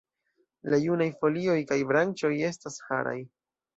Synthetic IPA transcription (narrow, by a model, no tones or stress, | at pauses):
lajunajfo̞lio̞jkajbɾant͡ʃo̞je̞stasha̰ɾa̰j